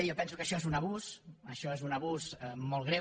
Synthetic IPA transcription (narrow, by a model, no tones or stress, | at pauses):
jɔpɛnsukəʃɔezunəβ̞usəʃɔezunəβuzəmɔlˠɣɾe